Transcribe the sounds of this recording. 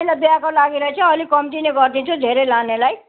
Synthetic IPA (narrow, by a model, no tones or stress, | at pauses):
ilabjakolaɡiɾʌɦet͡sʰʌʌlikʌmʈineɡʌrd̪it͡sʰud̪ʱeɾelanelaj